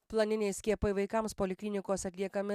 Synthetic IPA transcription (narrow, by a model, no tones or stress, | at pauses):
plˠɐnʲɪnʲɛɪsʲkʲiɛpɐɪʋɐɪkɐmspoːlʲɪkʲlʲɪnʲɪkoːsɐt̪ʲlʲiɛkɐmʲɪ